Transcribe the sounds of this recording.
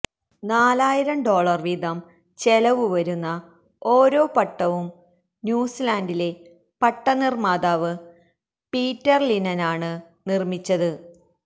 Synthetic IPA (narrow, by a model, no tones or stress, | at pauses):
naːlaːjiɾɐmɖo̞ːɭɐrʋid̪ʱɐm | t͡ɕelɐʋuʋɐɾunːɐ | o̞ːɾo̞ːpɐʈːɐʋum | njuːsilaːndile̞ | pɐʈːɐnirmaːd̪aːʋɨ | piːtːɐrlinɐnaːɳɨnirmit͡ɕːɐðɨ